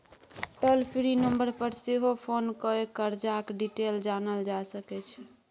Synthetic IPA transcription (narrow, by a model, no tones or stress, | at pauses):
ʈəlpʰɾinəmbəɾpəɾseɦopʰonkəekəɾd͡ʒakɖiʈeld͡ʒanəld͡ʒasəkɛt͡ʃʰɛ